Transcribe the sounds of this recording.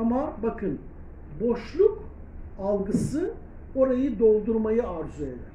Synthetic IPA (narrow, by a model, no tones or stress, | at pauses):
amaɾbakʰɯn | bo̞ʃlˠuk | alˠɡɯsɯ | o̞ɾajɯd̪o̞lˠd̪uɾmajɯaɾzue̞d̪æɾ̥